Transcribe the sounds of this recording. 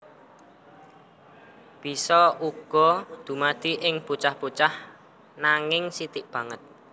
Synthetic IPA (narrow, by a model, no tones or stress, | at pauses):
b̥i̤sɔuɡ̥ɔ̤d̪̥ṳmad̪̥i̤ʔɪŋput͡ʃahput͡ʃah | naŋɪŋsit̪ɪʔb̥ä̤ŋət̪̚